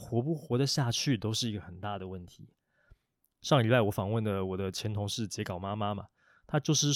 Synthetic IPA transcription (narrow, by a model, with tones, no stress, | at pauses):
xwɔ˧˥p̬u˥˩xwɔ˧˥d̪ə˨ɕja˥˧t͡ɕʰy˥˩t̪o˥ʊʂɻ̩˥˩i˧˥ɡə˨xə˨˩nt̪a˥˩d̪ə˩wə˥˩nt̪ʰi˨˧˦ | ʂɑ˥˩ŋi˨˩wa˥˩ɪwɔ˧˦fɑ˨˩ŋwə˥˩nd̪ə˩wɔ˨˩d̪ə˦t͡ɕʰjɛ˧˥nt̪ʰʊ˧˥ŋʂɻ̩˥˩t͡ɕjɛ˧˥kɑ˨˩ʊma˥ma˦ma̰˨ | t̪ʰa˥t͡ɕjo˥˧ʊʂɻ̩˥˧